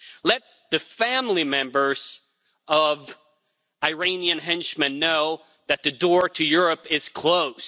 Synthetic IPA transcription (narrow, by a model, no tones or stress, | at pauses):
lɛt̪̚ðɨfæ̃mlimɛ̃mbə˞z̥ | ʔʌv | aɪɹẽɪ̃niɨ̃nɦɪ̃nʃmɨ̃nːoʊ | ðɨt̪̚ðɨdɔɹɾɨjʊɹɨpɪz̥kʰl̥oʊz̥